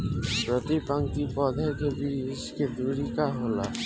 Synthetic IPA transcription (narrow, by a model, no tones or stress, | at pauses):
pɾɔt̪ipaŋkipɔd̪ʱakʰebiisked̪uɾikaɦola